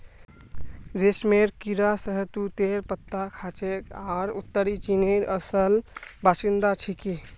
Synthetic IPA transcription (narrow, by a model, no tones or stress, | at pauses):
d͡ʒesmeɾkiɾasəɦət̪ut̪eɾpət̪ːakʰat͡ʃekaɾut̪ːəɾit͡ʃineɾəsəlbasind̪at͡ʃʰiki